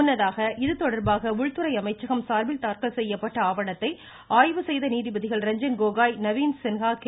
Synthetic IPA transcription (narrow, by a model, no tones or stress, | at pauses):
ʊnːɐðaːɣɐʔɪðɯt̪ɔɽɐɾbaːɣɐʊɻt̪ːɯɾɐɪɐmɐɪt͡ʃːɐɣɐmsaːɾbɪlt̪aːɾkɐɭsɛjːɐpːɐʈːɐaːʋɐɳɐt̪ːɐɪ | aːjʋɯsɛjðɐniːðɪbɐðɪɣɐɭɾɛɲd͡ʒɐnɡoːɣaːjnɐʋiːnsɪnɣaːk